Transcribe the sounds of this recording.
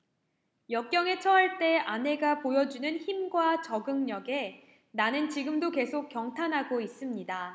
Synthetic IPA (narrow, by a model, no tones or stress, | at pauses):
jʌk̚k͈jʌŋe̞t͡ɕʰʌɦaɭt͈e̞ane̞ɡapojʌd͡ʑunɯnçimɡwat͡ɕʌɡɯŋɲʌɡe̞ | nanɯnt͡ɕiɡɯmdoke̞sʰok̚k͈ːjʌŋtʰanɦaɡois͈ɯmɲida